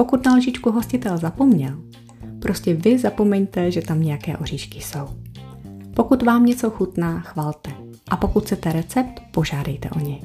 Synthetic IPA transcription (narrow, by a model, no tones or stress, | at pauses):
po̞kut̪nalʒɪt͡ʃkuɦo̞scɪt̪ɛlzapo̞mɲɛl | pɾʔo̞scɛvɪzapo̞mɛɲt̪ɛʒɛt̪amɲɛjakɛːʔoriːʃkɪ̥so̞w | po̞kut̪vaːmɲɛt͡so̞xut̪naːxvaːlt̪ɛ | ʔapo̞kut̪xt͡sɛt̪ɛɾɛt͡sɛp̚t̪po̞ʒaːdɛjt̪ɛ̰ʔo̞ɲɛ